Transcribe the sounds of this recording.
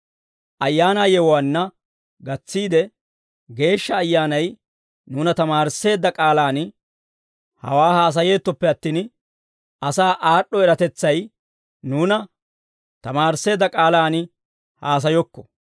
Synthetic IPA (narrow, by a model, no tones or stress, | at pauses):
ʔɐjːaːnaːjɛwwaːnːɐ | ɡɐt͡sːiːd̪ɛ | ɡe̞ːʃːɐːjːaːnɐj | nuːnɐt̪ɐmaːɾse̞ːd̪ːɐkʼaːlaːn | hɐ̰waːhaːs̬ɐje̞ːt̪ːɔpːɛɐt̪ːiːn | ɐsaːʔaːɗːɔɛɾɐt̪ɛt͡sːɐj | nuːnɐ | t̪ɐmaːɾsːe̞ːd̪ːɐkʼaːlaːnɪ | haːs̬ɐjɔkːɔ̥